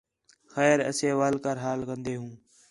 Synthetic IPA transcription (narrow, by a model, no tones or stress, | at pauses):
xɛːɾə̰seːʋaːlkəɾɦaːlkənd̪eːɦũː